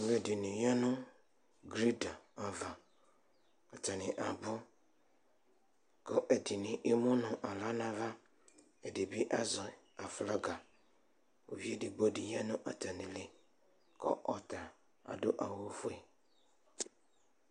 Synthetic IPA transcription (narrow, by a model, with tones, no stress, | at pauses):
le˨dɪ˨nɪ̃˨ja˦nʊ̃˦ | ɡɾi˦da˨a˨va˨ | a˨tʰa˨nɪ̃˨ʔa˨bɔ˦ | kʰɔ˦ʔɛ˨dɪ˨nɪ̃˨ʔi˦mʊ̃˦nʊ̃˨ʔa˨la˦nã˨va˦ | ɛ˨de˨bi˦ʔa˦zɔ˨a˨fla˦ɡa˨ | o̰˨vi˦e˦dɪ˨bo˦di˨ja˦nʊ̃˦ʔa˨tʰa˨nɪ̃˨le˨ | kʰɔ̰˦ʔɔ˨ta˨ | a̰˨dʊ˦ʔa˨wo˦fʊ˦ɛ˨